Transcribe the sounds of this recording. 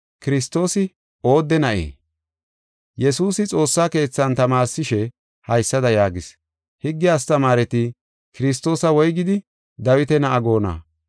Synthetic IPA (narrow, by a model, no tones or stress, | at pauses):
kɪɾɪst̪ːo̞ːsɪ | o̞ːd̪ːɛnɐʔḛː | jɛsuːsɪt͡sʼo̞ːsːaːke̞ːt͡sːɐnt̪ɐmaːɾsɪʃɛ | hɐjsːɐd̪ɐjaːɡɪs | hɪɡːɪjaːst̪ɐmaːɾɛt̪ɪ | kɪɾɪs̬t̪ːo̞ːsɐwɔjɡɪd̪ɪ | d̪ɐwɪt̪ɛnɐʔɐɡo̞ːna̰ː